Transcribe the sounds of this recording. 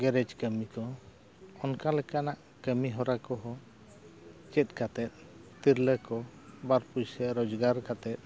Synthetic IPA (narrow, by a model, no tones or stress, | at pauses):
ɡɛɾɛd͡ʒkəmikɔ | ɔnkalɛkanaʔ | kəmiɦɔɾakɔɦɔ | t͡ʃɛt̪̚kat̪ɛt̪̚ | t̪iɾləkɔ | baɾpujsɛɾɔd͡ʒɡaɾkat̪ɛt̪̚